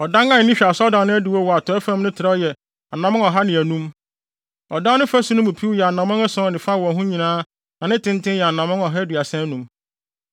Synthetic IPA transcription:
ɔ˨dã˦ŋã˦˨nɪ̃˦ɕᶣa˨sɔ˦dã˨nnʊ̃˦æ˦di˨wɔ˦wɔ˨a˨tʰɔ˨ɛ˦fã˦m˦nʊ̃˦tʰɪ˨ɾa˦jɛ˨ | a˨nã˨mʊ̃˦ŋɔ˨ɦa˦nɪ̃˨æ˨nũ˦m | ɔ˨dã˦nʊ̃˦fæ˦su˦nʊ̃˦mʊ̃˨pʰi˦wu˦jɛ˨a˨nã˨mʊ̃˦ŋa˦sɔ̃˦nɪ̃˨fa˦˨wɔ̃˨ɦũ˦ɲĩ˨nãː˦ | nã˨nɪ̃˦tʰɪ̃˦n˦tʰɪ̃˦jɛ˨a˨nã˨mʊ̃˦ŋɔ˨ɦɛ˦dɥa˨sɛ̃˦nũ˨m

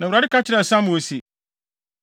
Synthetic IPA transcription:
nã˨wɾa˨˦ɪ˦ka˦t͡ɕʰɪ˦ɾɛ˨sã˦m̃˨o˦si˨

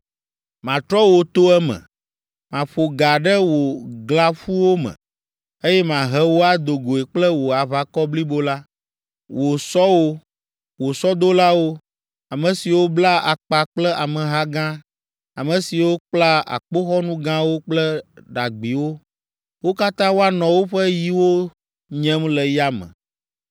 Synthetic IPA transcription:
mã˨t̪ɾɔ˦wo˨t̪o˦ɛ˦mə̰̃˨ | mã˨ɸo˨ɡa˨ɖə˦wo˨ɡla˦fu˦wo˦mə̰̃˨ | e˦jɛ˦mã˨ɦɛ˦wo˦a˦d̪o˨ɡo˨e˨k͡plə˦wo˨a˨va˨kɔ˦bli˦bo˦la˦ | wo˨sɔ˦wo˦ | wo˨sɔ˦d̪o˦la˦wo˦ | a˨mɛ̃˨si˨wo˦bla˦a˨k͡pa˨k͡plɛ˦ʔa˨mɛ̃˨ɦa˦ɡã˦ | a˨mɛ̃˨si˨wo˦k͡pla˦a̰˨k͡po˦xɔ˦nũ˦ɡã˦wo˦k͡plɛ˦ɖa˨ɡ͡bi˨wo˦ | wo˦ka˦t̪ã˦wo˦a˦nɔ̃˨wo˦ɸɛ˦ji˦wo˦ | ɲɛ̃˦mlɛ˨ja˦mɛ̰̃˨

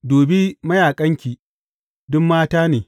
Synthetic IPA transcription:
doː˨be˦mɐ˦jaː˨kʼɐ˦ŋkʲi˨ | dʊ˦mːaː˦taː˦neː˨

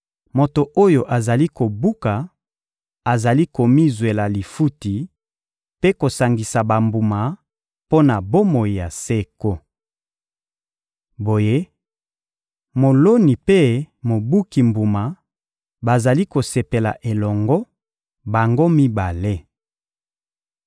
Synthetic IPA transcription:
mo˨to˨ʔo˦jo˨ʔa˨za˨li˦ko˨bu˦ka˨ | a˨za˨li˦ko˨mi˦zwe˨la˨li˨fu˦ti˨ | pe˦ko˨sa˨ŋɡi˨sa˨ba˨mbu˨ma˨ | po˦na˨bo˦mo˨ji˨ja˨se˦ko˦ | bo˨je˦ | mo˨lo˦ni˨pe˦mo˨bu˦ki˨mbu˨ma˨ | ba˨za˨li˦ko˨se˨pe˨la̰˨ʔe˨lɔ˨ŋɡɔ˦ | ba˨ŋɡo˦mi˦ba˨le˦

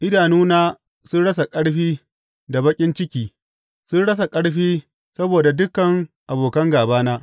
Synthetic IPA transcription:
ʔɪ˦daː˨nuː˦naː˦ | sʊ˦nɽɐ˦s̬a˨kʼɐ˦ɽɸiː˦ | da˨bɐ˦kʲʼɪ˦nt͡ʃɪ˦kʲiː˨ | sʊ˦nɽɐ˦s̬a˨kʼɐ˦ɽɸiː˦ | sɐ˦boː˨da˨dʊ˦kːɐ˨ŋʔa˨boː˨kɐ˦ŋɡaː˨baː˦naː˦

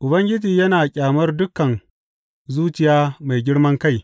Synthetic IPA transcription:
ʔʊ˨bɐ˦ŋɡʲɪ˦d͡ʒiː˨jɐ˦naː˨kʲʼaː˨mɐ˦rdʊ˦kːɐ˨n | zuː˦t͡ʃɪ˨jaː˦ma˨jɡʲɪ˦ɽmɐ˦ŋka˦j

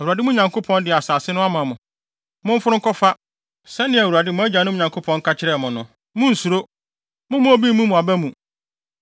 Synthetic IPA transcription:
æ˨wu˨a˨dɪ˦mũ˦˨ɲã˨ŋko˦pʰɔ̃˦ndɪ˨a˨saː˨sɪ˦nʊ̃˦a˦mã˨mʊ̃˨ | mʊ̃˦m̩˦fʊ˦ɾʊ̃˦ŋ̩˦kʰɔ˦fa˦ | sɛ˦nɪ̃˦˨æ˨wu˨ɾa˨dɪ˦mʊ̃˦æ˦d͡ʑã˨nʊ̃˦˨ɲã˨ŋkʰo˦pʰɔ̃˦ŋ̩˦kʰa˦t͡ɕʰɪ˦ɾɛ˦˨mʊ̃˨nʊ̃˨ | mʊ̃˦n̩˨su˨ɾo˦ | mʊ̃˦mʊ̃˦o˦bi˦mũ˦mũ˨a˨bɛ˦mũ˨

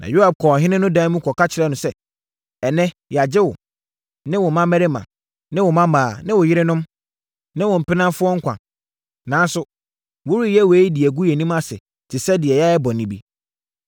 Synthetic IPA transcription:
nã̰˨jo˦ha˨b̚kʰɔː˨ɦɪ̃˦nɪ̃˦nʊ̃˦dã˦mũ˦kʰɔ˨ka˦t͡ɕʰɪ˨ɾɛ˦nʊ̃˨sɛ˦ | ɛ˨nɛ̃˦ja˨d͡ʑɪ˦wʊ˨ | nɪ̃˦wɔ˨mã˦mæ˦ɾɪ˦mã̰˨ | nɪ̃˦wɔ˨mã˦mãː˨nɪ̃˦wʊ˨jɪ˦ɾɪ˦nʊ̃˦m | nɪ̃˦wʊ̃˨m̩˨pɪ˦nã˦m˦fʊ˦ɔ˦ŋ̩˦kʰʷã̰˨ | nãː˨˦n˦sʊ˨ | wʊ˦ɾi˦jɛ˦we˨˦i˦di˨æ˨ɡu˦jɛ˨nĩ˦ma˦sɪ̰˨ | tʰɪ˨sɛ˦dɪ˨ɛ˨ja˦ɛ˦bɔ˨nĩ˨˦bḭ˦

